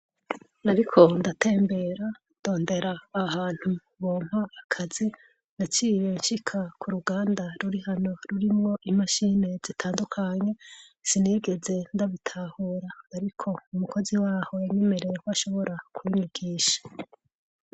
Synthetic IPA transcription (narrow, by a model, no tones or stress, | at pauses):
aɾikʰo̞ndatʰe̞ːmbe̞ɾa | nd̥o̞ːnde̞ɾaːhaːn̥hu | βoːm̥haːkʰazi | nat͡ʃijenʃikʰakʰuɾuɡaːndaɾuɾihano̞ɾuɾimŋo̞ʔimaʃine̞zitʰaːndukʰaɲe̞sineːɡe̞ze̞ndaβitʰahuɾaːɾikʰo̞umuko̞ziwaːho̞jaɲeme̞ɾe̞jekuaʃo̞βo̞ɾʔakʰwuiɲiɡ̥iːʃḁ